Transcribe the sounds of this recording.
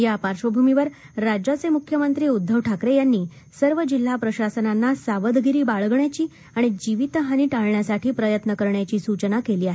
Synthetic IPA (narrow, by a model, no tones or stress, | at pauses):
japaɾʂʋəbʱumiʋəɾː | ad͡ʑat͡semukʰjəmənt̪ɾiːud̪ʱːəʋʈʰakɾejanːiː | səɾʋəd͡ʑil̤ːapɾəɕasənanːasaʋəd̪ɡiɾiːbaɭɡɳjat͡ɕiː | aɽ̃id͡ʑiʋit̪əɦaniːʈaɭɳjasaʈʰiːpɾəjət̪nəkəɾɳjat͡ɕiːsut͡ɕənakeliːaɦe